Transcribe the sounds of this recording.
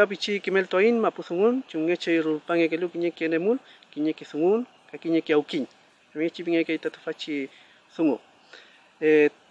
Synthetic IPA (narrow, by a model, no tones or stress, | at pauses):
ap̬it͡ʃikimelt̪wainmapusuŋunt͡ʃuŋːet͡ʃejɾulpaŋekelukiɲekenemulkiɲekisuŋun | kakiɲekiawkiɲ | amiŋet͡ʃipiŋekejt̪at̪u̥fat͡ʃi | suŋo | e